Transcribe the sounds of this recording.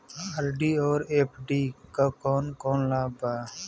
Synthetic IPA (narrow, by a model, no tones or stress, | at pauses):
aɾɖiːɔːɾeːpʰɖiːkakɔːnkɔːnlaːba